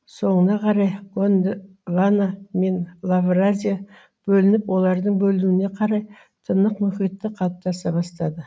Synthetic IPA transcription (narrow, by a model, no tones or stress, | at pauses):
so̞ɴənɑqʰɑɾɑjɡond̪ | vaname̞nlˠavrazʲija | b̥ɵlɪnɪpwo̞lˠɑɾd̪əɴbɵluɪne̞qʰɑɾɑj | t̪ʰənəqmʏket̪ːɪqʰɑlˠəp̚t̪ɑsɑbɑst̪ɑd̪ə